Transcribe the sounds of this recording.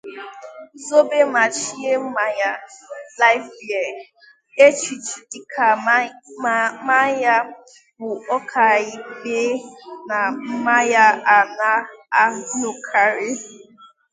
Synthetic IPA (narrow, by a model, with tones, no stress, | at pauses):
zo˦be˦ma˨t͡ʃi˦e˦m̩˦ma˦ja˦la˦ɪ˦fbi˨e˨ | e˦t͡ʃi˨t͡ʃi˨di˨kʰa˨ | ma˦ja˦ | bʊ˨ɔ˦kʰa˨i˦ɡ͡be˦na˨m̩˦ma˦ja˦a˨na˦a˦nu˨kʰa˨ɾe˦